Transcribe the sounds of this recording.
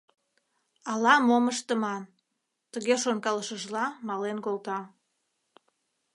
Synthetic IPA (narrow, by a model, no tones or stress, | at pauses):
ɑlɑmoməʃt̪əmɑn | t̪əɣeʃonkɑləʃəʒlɑmɑlenkolt̪ɑ